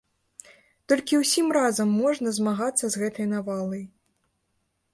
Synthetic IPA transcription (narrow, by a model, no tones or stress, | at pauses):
t̪ɔlʲkʲiwsʲimrazɐmːɔʐnɐzmaɣat̪sːɐzɣɛt̪ɐjnavalˠɐj